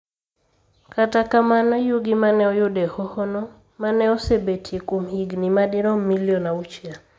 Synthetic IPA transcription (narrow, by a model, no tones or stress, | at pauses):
katakamanajuɡimanɛɔjʊdɛhɔhɔnɔ | manɛɔsebetʰekumhiɡnimadɪɾɔmiljɔnaut͡ʃja